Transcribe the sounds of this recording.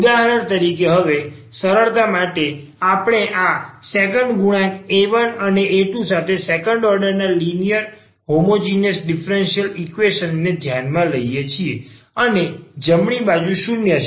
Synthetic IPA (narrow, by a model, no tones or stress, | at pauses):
ud̪aɦəɾəɳt̪əɾikeɦəʋe | səɾəɭt̪amaʈe | apɽ̃eʔasekəɳɖɡuɽ̃ãkeʋənəneʔeʈũsat̪ʰesekəɳɖɔɾɖəɾnalinijəɾ | ɦomod͡ʒinəsɖifɾenʃiəlikʋeʃənːed̪ʱjanmãləijet͡ʃʰie | əned͡ʒəmɳ̃ibad͡ʒuʃunjət͡ʃʰ